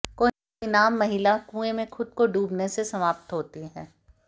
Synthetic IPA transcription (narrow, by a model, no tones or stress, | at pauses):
koː | inaːmːɐɦɪlakũːemẽxʊd̪̚koɖuːbnesesɐmaːp̚t̪ɦoːt̪iɦɛː